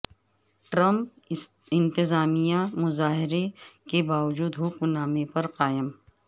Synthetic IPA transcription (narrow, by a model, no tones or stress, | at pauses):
ʈɾɐ̃mp | ɪ̃nt̪ɪzaːmijamʊzaːɦɪɾekebaːʋd͡ʒuːd̪ɦuːkunaːmepɐɾqaːjɪm